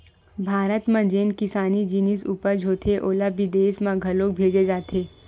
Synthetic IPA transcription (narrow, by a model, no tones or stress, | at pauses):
bʱaːɾət̪mãd͡ʒeːnkɪsaːnid͡ʒinisuːpəɾd͡ʒʱoːt̪ʰeʔoːlabid̪eːsmãɡʱɐloːk̚bʱeːd͡ʒed͡ʒaːt̪ʰeː